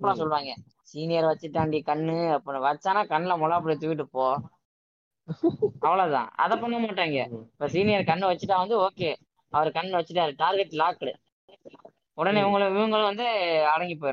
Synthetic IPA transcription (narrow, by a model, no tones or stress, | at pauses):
pːɐlãːsɔlːʋaːŋɡɐ | siːnɪjɐɾʋɐt͡ʃːɯʈːaːɳɖikɐɳːɯɐpːnʋɐɾt͡ʃːaːnaːkɐɳːlɐmɔlaːpːɯɽit̪ːʊʋɪʈ̬ːɯpoː | ɐʋɐɭoːt̪ã̰ːɐ̰ðɐpːɐnɐmaːʈːaːŋɡɐɪpːoːsiːnɪjɐɾkɐɳːɯʋɐt͡ʃːɯʈːaːʋɐnd̪ɯoːkeː | ɐʋɐɾkɐɳːɯʋɐt͡ʃːɯʈːaːɾɯʈaːɾɡɛʈːlaːkːɐɽɯ | ɔɽɐneːʋʊŋɡɐɭɯɪʋɯŋɡɐɭɯ̃ʋɐnd̪ɯɐɽɐŋɡip̬ːoːjɪɾɯ̃